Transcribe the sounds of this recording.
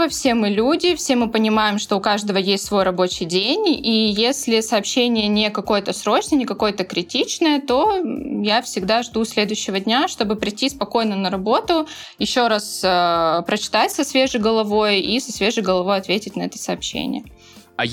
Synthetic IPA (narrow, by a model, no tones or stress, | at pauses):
ɐfsʲe̞mɨlʲudʲɪfsʲe̞mɨpənʲɪmajɪmʂt̪o̞ʊkaʐd̪əvəjesʲtʲsvo̞jrɐbo̞t͡ɕɪjdʲenʲijesʲlʲɪsɐːpɕːenʲɪjənʲɪkɐko̞jət̪əsɾo̞t͡ɕnənʲɪkɐko̞jət̪əkɾʲɪtʲit͡ɕnəjət̪o̞jafsʲɪɡd̪aʐd̪usʲlʲe̞d̪ʊjʉɕːɪvədʲnʲaʂt̪o̞bɨpɾʲɪtʲːispɐko̞jnənəɾɐbo̞t̪ʊ | jɪɕːo̞ɾasəpɾət͡ɕɪ̥t̪atʲsɐsvʲe̞ʐɨjɡəlˠɐvo̞jisɐsvʲe̞ʐɨjɡəlˠɐvo̞jɐt̪vʲetʲɪtʲnɐɛt̪ə̥sɐɐːpɕːḛnʲɪ̰jə